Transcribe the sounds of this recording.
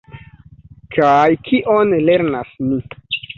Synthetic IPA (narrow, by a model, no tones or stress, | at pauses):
kʰajkʰiʔonle̞ɾnasmi